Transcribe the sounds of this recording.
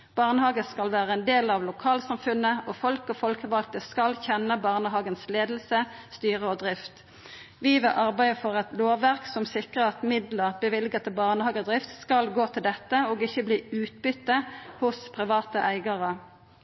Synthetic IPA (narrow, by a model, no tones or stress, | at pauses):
b̥ɑʁnəhɑːɡəskɑlʋæːʁəɛnd̪eːlɑʋlʊkʰɑːlsɑmfʉnəofɔlkɔfɔlkəʋɑlt̪əskɑlçɛnəbɑʁnəɦɑːɡənsleːd̪l̩səst̪yːʁəɔːd̪ʁɪft̪ | ʋiːʋɛʔɑʁbæɪəfɔʁɛt̪loːʋæʁksɔmsɪkʁəʁɑt̪mɪd̪ləʁbəʋɪlɡət̪ʰəbɑʁnəhɑːɡəd̪ʁɪft̪skɑlɡoːt̪ʰɪld̪ɛt̪ːəoːɡɪçːəbliːʉːt̪̚bʏt̪ːəhʊspʰʁɪʋɑːt̪əʔæɪɡɑʁə